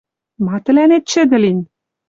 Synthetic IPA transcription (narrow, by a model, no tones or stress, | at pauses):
mɑt̪ɘ̆lænet̪̚ʃɘ̆d̪ɘ̆linʲ